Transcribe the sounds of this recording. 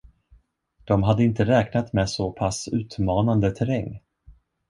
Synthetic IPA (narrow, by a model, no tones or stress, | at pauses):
d̪̥ɔmɦad̪ːəɪnt̪əɾɛːknat̪mɛsɔpʰasʉ̟ːt̪mɑːnand̪ət̪ʰɛɾɛŋː